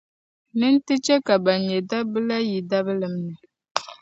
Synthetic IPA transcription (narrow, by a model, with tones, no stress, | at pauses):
nɨ˦ntɨ˦t͡ʃɛ˦ka˨ba˨nɲɛ˨da˦bɨ˦la˦ji˨da˦bɨ˦lɨ˨mnɨ˨